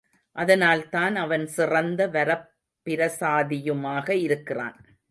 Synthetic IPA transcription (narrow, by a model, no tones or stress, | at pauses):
ʔɐðɐnaːlt̪aːnɐʋɐnsɪrɐnd̪ɐʋɐɾɐpː | ɪɾɐsaːðɪjɯmaːɣɐɪɾɯkːɪra̰ːn